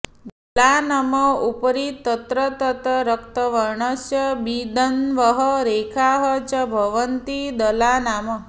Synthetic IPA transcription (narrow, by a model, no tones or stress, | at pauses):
d̪əlanaməupɾit̪ːət̪ɾət̪ət̪ɾəkt̪əʋəɾɳəsjəbid̪ənʋəɦəɾekʰaɦət͡ʃəbʱəʋənt̪id̪əlanamə